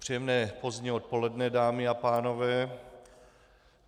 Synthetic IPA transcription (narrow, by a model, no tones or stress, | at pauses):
pr̥ijɛmnɛːpo̞zɲɛo̞t̪̚po̞lɛdnɛdaːmɪapaːnovɛː